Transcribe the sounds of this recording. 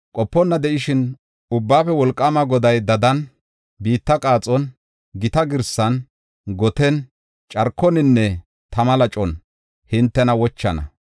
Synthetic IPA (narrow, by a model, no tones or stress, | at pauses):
kʼɔpːɔnːɐd̪ɛʔɪʃɪn | ʊbːaːfɛwɔlkʼːɐmɐɡɔd̪ɐjd̪ɐd̪ɐn | biːt̪ːɐkʼaːt͡sʼɔn | ɡɪt̪ɐɡɪɾsːɐn | ɡɔt̪ɛn | t͡ʃʼɐɾkʰːɔnɪnːɛ | t̪ɐmɐlɐt͡ʃʼɔn | hɪnt̪ːɛnɐwɔt͡ʃːɐ̰nɐ̰